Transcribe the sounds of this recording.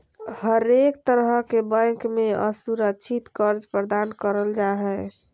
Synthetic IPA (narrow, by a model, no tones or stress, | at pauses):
həɾek̚t̪əɾɦəkebə̃ŋkmeə̰suɾəkt͡ʃʰit̪kəɾd͡ʒpɾəd̪ankəɾəld͡ʒaɦɛ